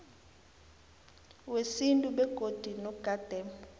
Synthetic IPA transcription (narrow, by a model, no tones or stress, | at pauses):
wesintʼuɓɛɡ̥ʱod̥ʱinɔɡ̥ad̥ʱɛm